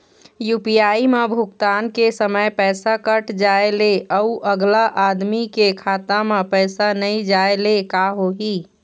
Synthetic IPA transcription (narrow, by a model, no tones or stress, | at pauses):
jupiaːimebʱʊkt̪aːnkesəməjpɛːsakəʈd͡ʒaeleʔɔuʔəɡlaʔad̪mikekʰaːt̪amẽpɛːsanəĩd͡ʒaelekaɦoɦiː